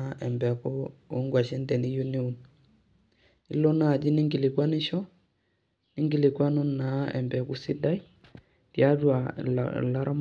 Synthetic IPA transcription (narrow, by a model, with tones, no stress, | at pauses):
ɛ˨mbɛ˨kɔː˦ŋɡwa˨ʃɛ˦ndɛ˨ni˦ju˦ni˦u˨n | i˦lɔ˦na˦˨d͡ʒi˦ni˦ŋɡi˨lɪ˨kwa˦nɪ˦ʃɔ˦ | nɪ˦ŋɡi˨lɪ˨kwa˦nu˦nna˨˦ɛ̰˨mbɛ˨ku˦si˦da˦j | tja˦dwa̰˨la˦ɾa˦m